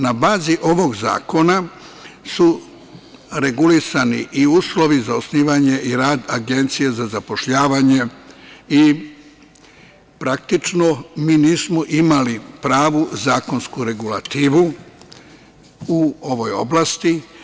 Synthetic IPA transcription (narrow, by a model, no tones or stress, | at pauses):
nabaːziʔo̞ʋo̞ɡza̰ːko̞na | su | ɾe̞ɡulisaniʔiuːslo̞ʋizaosniːʋaɲe̞ʔiɾaːd̪aɡe̞nt̪sijezazapo̞ʃʎaːʋaɲe̞ | i | pɾak̚t̪it͡ʃnomiːniːsmoʔimalipɾaːʋuzaːko̞nskuɾe̞ɡula̰t̪iːʋu | uo̞ʋo̞jo̞̰blaːst̪i